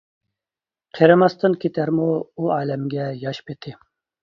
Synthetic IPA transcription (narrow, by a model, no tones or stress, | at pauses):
qʰeɾɨmɑst̪ʰɨnkʲʰet̪ʰæɾmuuɑːlɛmɡʲɛjɑʃpʰet̪ʰɪ